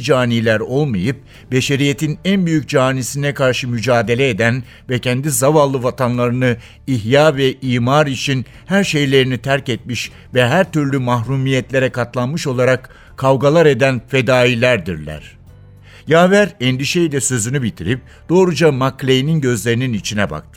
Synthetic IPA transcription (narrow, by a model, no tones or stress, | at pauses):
d͡ʒaːnilʲæɾo̞lˠmajɯp̚ | be̞ʃe̞ɾijet̪ʰinænbyjyc̚d͡ʒaːnisinɛkaɾʃɯmyd͡ʒaːd̪e̞lʲɛed̪æn | vɛcʰɛnd̪izavalˠːɯvat̪ʰanlˠaɾɯnɯ | iɦjaːvɛʔiːmaɾit͡ʃʰin | hæɾʃe̞jlʲe̞ɾinit̪ʰæɾcɛt̪̚miʃ | vɛɦæɾt̪yɾlʲymaɦɾumijɛt̪lʲe̞ɾɛkat̪lˠanmɯʃo̞lˠaɾak | kʰːavɡalˠaɾe̞d̪ænfe̞d̪aːilʲæɾd̪iɾlʲæ̰ɾ̥ | jaːvæɾɛnd̪iʃejid̪ɛsø̞zynybit̪ʰiɾip̚ | d̪̥o̞ːɾud͡ʒamaklʲejininɟø̞zlʲe̞ɾininit͡ʃʰinɛba̰k̚t̪ʰɯ